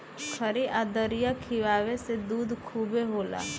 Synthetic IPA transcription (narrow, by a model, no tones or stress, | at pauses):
kʰəɾiʔad̪əɾijakʰiʋaːʋesed̪uːd̪kʰuːbeɦoːla̰ː